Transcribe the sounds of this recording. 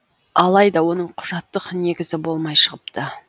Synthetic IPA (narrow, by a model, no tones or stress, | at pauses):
ɑlˠɑjd̪ɑwo̞nəɴqʰʊʒɑt̪ːəqne̞ɡʲɪzɪbo̞lˠmɑjʃəʁəpt̪ə